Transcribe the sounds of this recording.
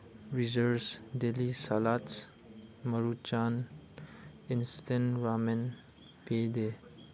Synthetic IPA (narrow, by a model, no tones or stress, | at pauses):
ɾizəɾsd̪elisalaːt̪s | məɾut͡ʃaːn | ɪnst̪ẽnɾaːmen | peːd̪e